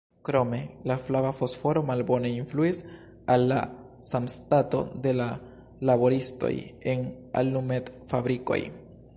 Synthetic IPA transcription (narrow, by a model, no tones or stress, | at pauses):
kɾo̞me̞laflavafo̞sfo̞ɾo̞malbo̞ne̞influis | alːa̰ | samstato̞̰d̪e̞la | labo̞ɾisto̞̰jena̰lnumetfabɾiko̞̰j